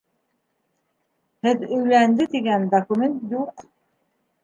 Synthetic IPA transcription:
hɘðɵ̆jlænd̪ɘt̪iɡænd̪ɐkumʲent̪juq

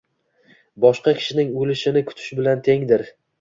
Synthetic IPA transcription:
bɒʃqɑkʲʰɪ̥ʃɪnɪŋolɪʃɪnɪkʰʊ̥t̪ʰɪ̥ʃbɪlant̪ʰe̞ŋd̪ɪɾ

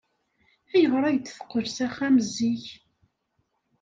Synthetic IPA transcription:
æjəʁɾˤæʝt̪fə̥qːəɾsæχæməzːiç

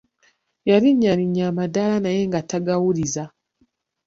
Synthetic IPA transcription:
jaɾiɲːaɾiɲːamadalanaje̞ŋɡataɡawuliza

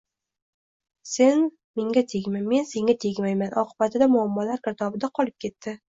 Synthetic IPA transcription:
se̞n | meŋɡʲat̪ʰeɡʲmanme̞nse̞ŋʲat̪ʰeɡʲmajmanʔɒqʰɨbat̪ʰɪd̪amʊamːɒlaɾkʰʲɪɾt̪ʰɒbɪd̪aqʰɒlɪp̚kʲʰe̞t̪ːɪ

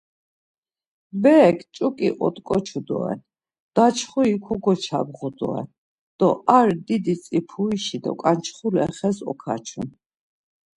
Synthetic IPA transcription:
bɛkʰt͡ʃʼukʼiʔɔt̪ʼkʼɔt͡ʃʰud̪ɔ̰ɛ̰n | d̪̥at͡ʃʰχuikʰɔɡɔt͡ʃʰa̰bʁud̪ɔ̰ɛ̰n | d̪̥ɔʔaɾd̪id̪it͡sʼipʰuiʃid̪ɔ̰kʼant͡ʃʰχulɛ̰χɛsɔ̰kʰa̰t͡ʃʰun

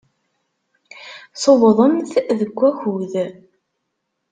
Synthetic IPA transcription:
sˤowðˤəmθðəɡʷːæçuð

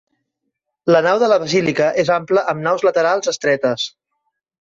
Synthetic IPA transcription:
lənawðələβəzilikəʔezampləʔəmnawzlət̪əɾalˠzəst̪ɾɛt̪əs

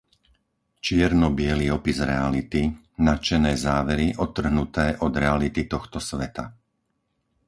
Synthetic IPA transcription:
t͡ʃɪɛɾnɔbɪɛliɔpizɾɛalit̪i | nat͡ʃɛnɛːzaːʋɛɾiʔɔt̪ːr̩ɦnut̪ɛːʔɔd̪ɾɛalit̪it̪ɔxt̪ɔsʋɛt̪a̰

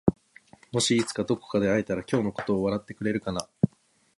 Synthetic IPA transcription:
mo̞ɕiːt͡sɨ̥kad̪o̞ko̞̥kad̪e̞ait̪aɾakʲo̞ːno̞ko̞̥t̪o̞ːβaɾat̪ːe̞kɯ̟ɾe̞ɾɯ̟kana

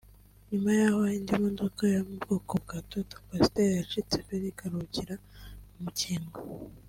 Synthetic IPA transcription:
ɲumajaːhoindimodokajamubɡoːkoβ̚ɡatoto̥pasi̥tejat͡ʃit͡sekeɾikaɾuciɾaumuciːmɡa

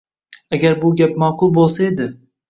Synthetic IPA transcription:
aɡʲaɾbʊɡʲapmaːqʊlˠbolˠsae̞d̪ɪ

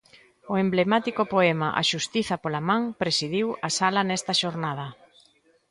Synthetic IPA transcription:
ʊemblemat̪ikʊpoɛmɐʔa̰ʃust̪iθɐpolɐmãŋpɾesiðiwɐsalɐnɛst̪ɐʃoɾnað̞ɐ

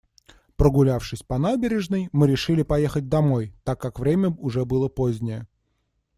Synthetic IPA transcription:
pɾəɡʊlʲafʂɨsʲpɐnabʲɪɾʲɪʐnɨjmɨɾʲɪʂɨlʲɪpɐjexət̚ʲd̪ɐmo̞jt̪akːakvɾʲemʲəʊʐɛbɨlˠəpozʲnʲɪjə

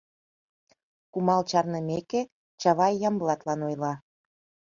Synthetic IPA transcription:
kumɑlt͡ɕɑrnəmeke | t͡ɕɑβɑjːɑmblɑt̪lɑnojlɑ

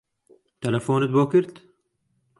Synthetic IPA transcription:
t̪ɐlɐfoːnɪt̪̚boːkɪɾd̪

